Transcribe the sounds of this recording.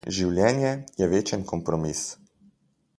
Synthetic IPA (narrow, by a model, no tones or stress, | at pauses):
ʒiwljɛːnjɛjɛʋeːt͡ʃənkɔmpɾɔmis